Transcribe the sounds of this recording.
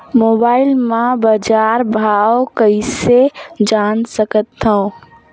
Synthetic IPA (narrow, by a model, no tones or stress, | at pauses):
moːbaːɪlmãbəd͡ʒaːɾbʱaokəised͡ʒaːnsəkət̪ʰːəõ